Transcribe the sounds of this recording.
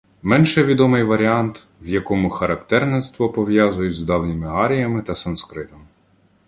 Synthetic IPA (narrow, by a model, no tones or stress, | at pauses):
mɛnʃɛʋʲid̪ɔmɪjʋɐɾʲiɑnt̪ | ʋjɐkɔmʊxɐɾɐkt̪ɛrnenst̪ʋɔpɔʋjazʊjɛzd̪ɑwnʲɪmɪɦɑɾʲijɐmɪt̪ɐsɐnskɾɪt̪ɔm